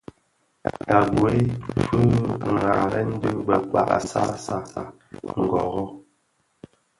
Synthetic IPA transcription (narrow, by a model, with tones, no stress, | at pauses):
ka˨ɡu˨e˦fu˦˨ŋaː˨ɾɛ˦n̩˦dʉ˦bɛ˨kwa̰˨ʔa̰˨sa˦sa˦˨a˨ | ŋ̩˨ɡɔ˨ɣɔ˦